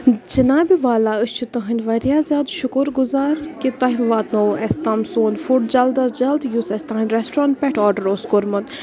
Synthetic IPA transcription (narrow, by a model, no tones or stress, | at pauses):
d͡ʒɐnaːbiʋaːlaːɨst͡ʃʰut̪ɐɦɐnʲʋɐɾjaːzʲjaːd̪ʃʊkuɾɡʊzaːɾkit̪ɐɦimʋaːt̪noɛst̪ɐmsoːnfuʈd͡ʒɐld̪ɐd͡ʒɐld̪jusɛsʲt̪ɐ̃ɦɐnʲɾɛsʈɾãːn̚pɛʈʰɔːɾɖəɾoskoɾmɐt̪